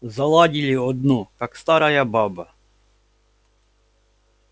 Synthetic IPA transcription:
zɐlˠadʲilʲiɔd̪nukakst̪aɾɐjababɐ

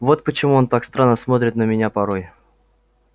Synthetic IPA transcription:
vo̞t̪̚pət͡ɕɪmuont̪akst̪ɾanːəsmot̪ɾʲɪt̪nəmʲɪnʲapɐɾoj

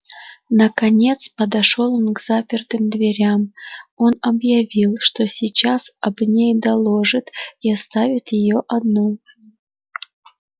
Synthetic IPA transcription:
nəkɐnʲe̞t̪spəd̪ɐʂo̞lˠonɡz̥apʲɪrt̪ɨmd̪vʲɪɾʲamo̞nɐbjɐvʲilˠʂt̪o̞sʲit͡ɕasɐbnʲejd̪ɐlˠo̞ʐɨt̪iɐst̪avʲɪt̪jɪjoʔɐd̪no

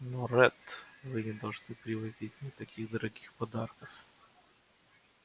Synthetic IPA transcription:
norɛt̪vɨnʲɪd̪ɐlˠʐnɨpɾʲɪvɐzʲitʲnʲɪt̪ɐkʲʰiɣd̪əɾɐɡʲixpɐd̪arkəf

